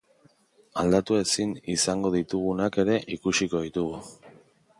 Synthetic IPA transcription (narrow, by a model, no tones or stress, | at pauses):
ald̪at̪ue̞sinisaŋɡo̞ð̞it̪uɣunake̞ɾe̞ʔikusiko̞ð̞it̪uɣu